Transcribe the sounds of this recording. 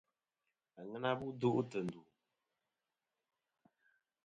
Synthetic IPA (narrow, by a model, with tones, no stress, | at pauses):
a˨ŋə˦na˦bu˦du˦ʔtə˨n̩˨du˨